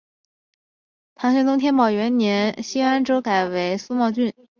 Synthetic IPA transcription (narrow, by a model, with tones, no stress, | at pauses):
t̪ʰɑ˧˥ŋɕɛ˥nt̪ʊ˥ŋt̪ʰjɛ˥npɑ˨˩ʊɥɛ˧˥nnjɛ˧˥nɕi˥a˥nʈ͡ʂo˥ʊka˨˩ɪwe˧˥ɪsu˥mɑ˥˧ʊt͡ɕy˥˩n